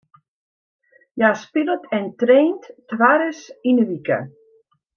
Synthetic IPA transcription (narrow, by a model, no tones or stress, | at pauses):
jaspɪlətʰɛntreːnttʋaɾəsinəʋikə̰